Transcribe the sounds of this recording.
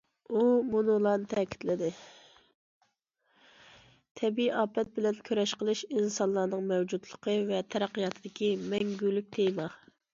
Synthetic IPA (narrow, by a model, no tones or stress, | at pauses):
umunulˠɑnɨt̪ʰɛkʲʰi̥t̪lɪd̪ɪ | t̪ʰɛbiiʔɑːpɛt̪̚bɪlɛnkʲʰøɾɛʃqəlˠɨʃinsɑnlˠɑːnɨŋmɛwd͡ʒud̪lˠəqʰəvɛt̪ʰɛɾæqːijɑt̪ʰɨd̪ɪkʲimɛŋɡʲylyk̚ʲt̪ʰejmɑ